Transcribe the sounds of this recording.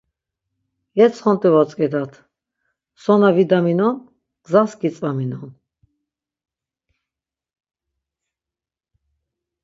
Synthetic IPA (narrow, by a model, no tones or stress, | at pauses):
jɛt͡sʰχɔnt̪ʼɛvɔt͡sʼkɛd̪at̪ʰ | sɔnavid̪aminɔn | ɡ̥zaskit͡sʼvaminɔn